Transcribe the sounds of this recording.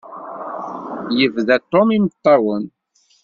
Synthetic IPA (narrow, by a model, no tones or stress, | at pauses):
jəvðæt̪ːomimət̪ˤːɑwən